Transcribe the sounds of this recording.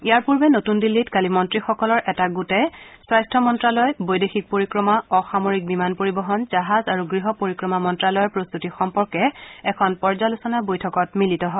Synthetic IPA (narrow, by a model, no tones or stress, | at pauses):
ijaɹpuɹbɛnotundilːitkalimɔntɹixɔkɔlɔɹʔɛtaɡutɛswajstʰɔmɔntɹalɔjbojdexik̚poɹikɹɔmaɔxamoɹik̚bimanpoɹibɔɦɔnzaɦazaɹuɡɹiɦɔpoɹikɹɔmamɔntɹalɔjɔɹpɹost̪utixɔmpɔɹkɛɛkʰɔnpɔɹzalusɔnabojtʰɔkɔt̚militɔɦɔ